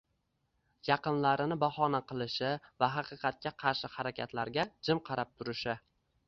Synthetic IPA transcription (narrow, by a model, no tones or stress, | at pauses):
jɑqɨnlaɾɪnɪbahɒnaqʰɨlˠɪʃɪvaɦɑqɨqʰɑt̪̚kʲaqʰɑɾʃɪhaɾakʲat̪laɾɡʲad͡ʒɪmqʰɑɾap̚t̪ʰʊɾɪʃɪ